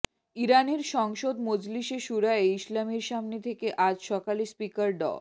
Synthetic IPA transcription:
iɾaneɾʃɔŋʃod̪mod͡ʑliʃeʃuɾaeislamiɾʃamnet̪ʰekeʔad͡ʑʃɔkalispikaɾɖɔ̰

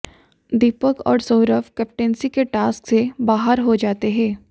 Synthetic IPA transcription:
d̪iːpəkɔ̰ːɾsoːɾəfkɛːp̚ʈɛ̃ːnsikeʈaːsksebaːɦəɾɦod͡ʒaːt̪eɦɛ̃ː

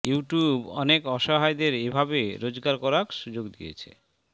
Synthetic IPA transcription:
juʈjubɔ̰nekɔʃɔɦajd̪eɾebʱabeɾod͡ʑɡaɾkɔɾakʃud͡ʑoɡd̪ijḛt͡ɕʰḛ

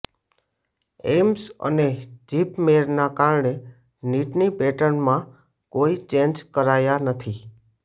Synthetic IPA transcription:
emsə̰ned͡ʒipmeɾnakaɾɳe | niʈnibɛʈənmã | koit͡ʃẽɲd͡ʒkəɾajanət̪ʰi

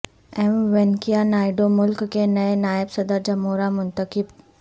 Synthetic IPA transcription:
ɛmʋenkijanaːɪɖomʊlkːenɐenaːɪbsɐd̪əɾd͡ʒɐmoːɾamʊnt̪əkɪb

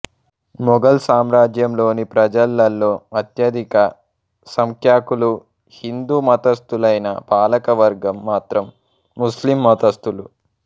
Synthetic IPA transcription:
mɔɡɐlsaːmɾaːd͡ʒjɐmlo̞ːnipɾɐd͡ʒɐlːɐlːo̞ːɐt̪jɐd̪ikɐ | sɐŋkʰjaːkulu | hind̪uːmɐt̪ɐst̪ulɐjnɐ̰paːlɐkɐʋɐɾɡɐmːaːt̪ɾɐmː | uslimːɐt̪ɐst̪ulu

